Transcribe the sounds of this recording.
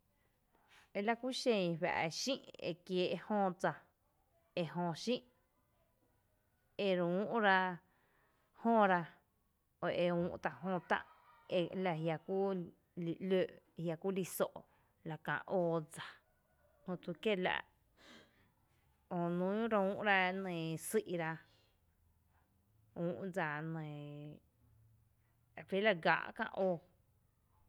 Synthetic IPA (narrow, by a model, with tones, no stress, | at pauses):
e˧la˦kʷu˦ʃẽ˧βa̰˨ʔʃĩ˦ʔḛ˧˨kjeː˧ʔhõː˧d͡za˧ | e˧ɦõ˧ʃĩ˦ʔ | e˧ɾũ˦ʔɾa˧ | hõ˦˧ɾa˧ | o˨ʔe˧ũː˧ʔt̪a˧ʔɦõ˧t̪ã̰˧ʔ | e˧la˧ɦja˧ku˦ | li˨ʔløː˧˨ʔ | hja˧ku˦li˧so˧ʔ | la˨kã̰˧˨ʔoː˧d͡za˨ | hõ˧t̪u˧ke˦la̰˧ʔ | o˧nũ˦ɾũ˦ʔɾa˧nẽ˨si˦ʔɾa˧ | ũː˦ʔd͡za˨nẽ˨˧ | fi˦la˧ɡa̰˨ʔkã̰˧ʔʔoː˧